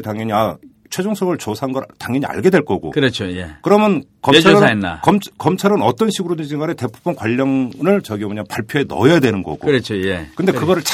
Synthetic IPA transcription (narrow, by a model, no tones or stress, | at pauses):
taŋjʌɲia | t͡ɕʰwe̞d͡ʑoŋsʰʌɡɯɭt͡ɕosʰanɡʌɾtaŋjʌɲia̰ɭɡe̞dwe̞ɭk͈ʌɡo̰kɯɾʌt͡ɕʰojekɯɾʌmjʌn | kʌt͡ɕʰaɾɯaenːa̰kʌmkʌmt͡ɕʰaɾɯnʌt͈ʌnɕʰiɡɯɾoded͡ʑʰiŋɡanete̞pʰobʰʌnkwaʎːʌŋɾɯɭt͡ɕʌɡimoɲapaɭpʰjoenʌ̰jjadwenɯnɡʌ̰ɡo̰ɾʌt͡ɕʰojekɯndekɯɡʌɾɯɭt͡ɕʰ